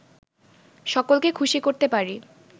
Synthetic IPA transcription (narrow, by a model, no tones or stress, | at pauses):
ʃɔkolkekʰuʃikoɾt̪epaɾi